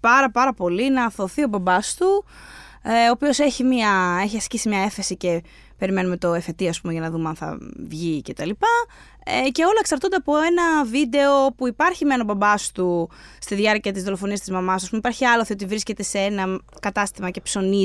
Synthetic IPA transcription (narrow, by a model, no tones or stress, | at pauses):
pɐɾɐpɐɾɐpo̞linɐθo̞θio̞bɐbɐst̪u | eoːpio̞se̞çimiɐe̞çiɐscisimɲɐe̞θe̞sice̞ | pe̞ɾime̞nume̞t̪o̞efe̞t̪iɐspumeʝɐnɐðumeɐnθɐ̰vʝice̞t̪ɐlipɐ | ece̞o̞lɐeksɐɾt̪ond̪e̞ɐpo̞e̞nɐvid̪e̞o̞puipɐɾçimenobɐbɐst̪ust̪iðʝɐɾciɐt̪izðo̞lofo̞niɐst̪izmɐmɐs̬ɐspumipɐɾçiɐloθiot̪ivɾisce̞t̪e̞see̞nɐkɐt̪ɐst̪imɐce̞pso̞ni